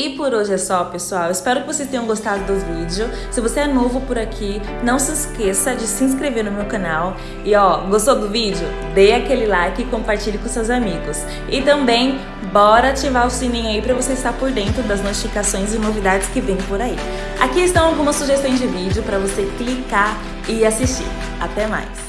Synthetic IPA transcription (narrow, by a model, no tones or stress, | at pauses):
ipoɾoʒɪɛsɔpesuawɪspɛɾʊkɪvosejst̪ẽɲɐ̃w̃ɡost̪ad̪ʊd̪ʊvid͡ʒɪʊ | sɪvoseɛnovʊpʊɾakʰi | nɐ̃w̃sɪskesɐd͡ʒɪsɪĩs̬kɾeveɾnʊmewkɐ̃naw | ɪɔɡost̪od̪ʊvid͡ʒɪʊ | d̪ejakelɪlajkɪkõpaɾt͡ʃiʎɪkõsewzamiɡʊs | ɪt̪ɐ̃mbẽj̃ | bɔɾɐt͡ʃivaʊsĩnĩɲaipɾɐvoseɪst̪aɾpoɾd̪ẽnt̪ɾʊd̪ɐznot͡ʃifikasõj̃zɪnovid̪ad͡ʒɪskɪvẽj̃poɾaḭ | a̰kiɪst̪ɐ̃w̃awɡũmɐsːuʒest̪õj̃zd͡ʒɪvid͡ʒɪʊpɾɐvoseklikaɾ | ɪasist͡ʃḭɾ | a̰t̪ɛma̰js